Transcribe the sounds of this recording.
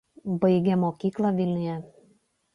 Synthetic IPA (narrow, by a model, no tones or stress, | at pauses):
bɐɪɡʲɛmoːkʲiːklˠɑʋʲɪlʲnʲʊjɛ